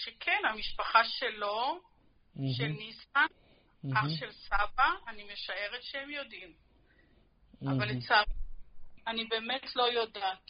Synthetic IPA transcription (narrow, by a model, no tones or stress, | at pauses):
ʃekʰenamiʃpaχaʃelo̞ | ʃelnisan | aχʃe̞lsabaːnime̞ʃae̞ʁetʃehemjo̞dim | a̰valet͡sa | anibe̞ːmetʰlo̞jo̞daːt